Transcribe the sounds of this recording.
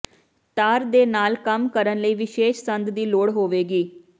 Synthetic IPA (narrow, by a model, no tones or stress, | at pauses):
t̪aːɾd̪eːnaːlkəmkəɾənləiːʋɪʃeːʃsənd̪d̪iːloːɽɦoːʋeːɡiː